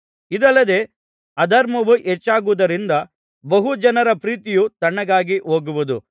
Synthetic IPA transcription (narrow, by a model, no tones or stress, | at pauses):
id̪ɐlːɐd̪e̞ː | ɐd̪ɐɾmɐʋuʔɛt͡ʃːaːɡuʋd̪ɐɾind̪ɐ | bɐɦud͡ʒɐnɐɾɐpɾiːt̪ijut̪ɐɳːɐɡaːɡiʔo̞ːɡuʋud̪u